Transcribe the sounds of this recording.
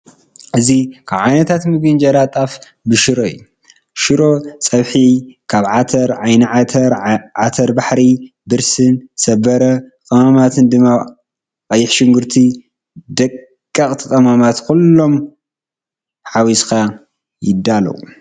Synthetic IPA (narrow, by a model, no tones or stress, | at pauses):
ʔɨzikʰaβʕajnɐt̪ʰat̪mɨɡɨnd͡ʒɐɾat̪ʼaf | bɨʃɨɾoj̰jːu | ʃɨɾo̞t͡sʼɐβħikʰaβʕat̪ʰɐɾʕajnɐʕat̪ʰɐɾʕat̪ʰɐɾbaħɾi | bɨɾsɨnsɐbɐɾɐqʼɐmamat̪ʰɨnd̪ɨmːa | kʼɐjːɪħʃɪŋɡɨɾt̪ʰi | d̪ɐkʼː | ɐkʼt̪ʰɨk̪ʼɐmamat̪kʰulːo̞m | ħawiskʰa | jɪd̪ːalɐ̰wu